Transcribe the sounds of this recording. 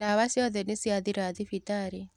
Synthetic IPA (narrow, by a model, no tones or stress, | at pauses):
aβasiɔðɛnisiaðiɾaðifitaɾe